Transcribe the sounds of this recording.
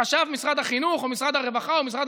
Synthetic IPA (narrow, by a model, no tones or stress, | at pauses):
aʃavmisʁad̪aχinuχomisʁad̪haʁevaχaomisʁad̪